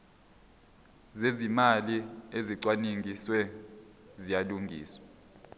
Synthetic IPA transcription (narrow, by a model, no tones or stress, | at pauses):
zezimalieziǀwaniŋʱiswɛ | zijaluŋɡʱḭːswḁ